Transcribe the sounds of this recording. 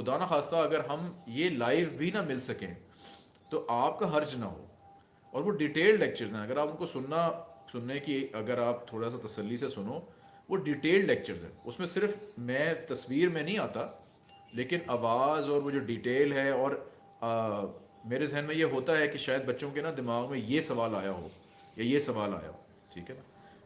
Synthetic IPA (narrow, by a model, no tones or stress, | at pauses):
xʊd̪aːnaxaːst̪aɐɡəɾɦɐmjelaːɪfbʱinɐmɪlsɐkḛ̃ | t̪oʔaːp̚kaɦɐɾd͡ʒnɐ̰ɦo̰ː | ɔːɾʋoɖiʈeːllɛːk̚t͡ʃəɾzɦɛ̃ɐɡəɾaːpʊnkosʊnːasʊnːekiɐɡəɾaːp̚t̪ʰoːɽas̬at̪ɐsɐlːisesʊnoː | ʋoɖiːʈeːlɖlɛːk̚t͡ʃəɾzɦɛ̰̃ːʊsmẽsɪɾfmɛ̃ːt̪ɐsʋiːɾmẽnɐɦĩaːt̪a | leːkɪnaːʋaːzɔːɾʋod͡ʒoɖiːʈeːlɦɛɔːɾ | meːɾezɛɦnmẽjeɦoːt̪aɦɛkiʃaːjəd̪̚bɐtːʃõkenad̪ɪmaːɣmẽjesɐʋaːlaːjaɦo̰ː | jajesɐʋaːla̰ːja̰ɦo̰ː | ʈʰḭːkɦɛnaː